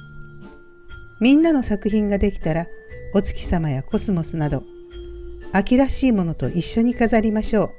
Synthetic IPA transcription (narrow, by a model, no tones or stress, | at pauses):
mʲĩnːano̞sakɯ̟çĩŋɡad̪e̞kʲi̥t̪aɾao̞t͡sɨ̥kʲi̥samajako̞sɨmo̞sɨnad̪o̞ | akʲiɾaɕiːmo̞no̞t̪o̞̰ʔiɕːo̞ɲ̟ikazaɾʲimaɕo̞ː